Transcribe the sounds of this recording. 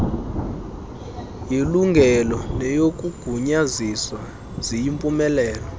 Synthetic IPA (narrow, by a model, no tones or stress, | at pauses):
jiluŋɡʱɛlɔnɛjok̬ʼuɡ̥ʱuɲaziswa | z̥ijimpʼumɛlɛːlɔ